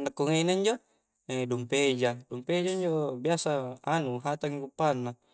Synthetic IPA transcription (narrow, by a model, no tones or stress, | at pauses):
nakːuŋeinaiɲd͡ʒo | edumped͡ʒadumped͡ʒaiɲd͡ʒobiasaanuɦat̪aŋikupːanːa